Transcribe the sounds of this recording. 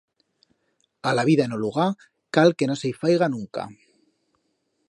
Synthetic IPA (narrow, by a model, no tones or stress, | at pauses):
alaβiðaenoluɣa | kalke̞no̞sejfajɣanũŋka̰